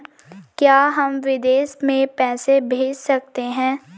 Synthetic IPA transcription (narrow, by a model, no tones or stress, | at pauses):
kjaːɦɐmʋɪd̪eːʃmẽpɛːsebʱeːd͡ʒsɐk̚t̪eɦɛ̃ː